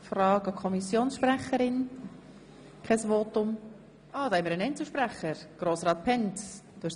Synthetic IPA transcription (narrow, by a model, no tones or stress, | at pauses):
frɑːɡɑkʰɔmisjoːnsʃpræχəɾɪn | kʰɛsvoːtʊm | ʔɑːd̪ɑɛməɾənɛɪnt͡ssl̩ˠʃpræχəɾɡ̥roːsɾɑːt̪̚pʰɛntd̥oɪs